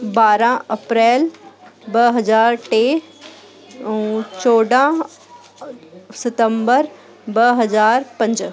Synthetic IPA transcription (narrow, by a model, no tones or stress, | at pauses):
baːɾãɐpɾɛːlbɐɦɐzaːɾʈeː | t͡ɕoːɖã | sɪt̪ə̃mbəɾ | bɐɦɐzaːɾpɐ̃ɲd͡ʒ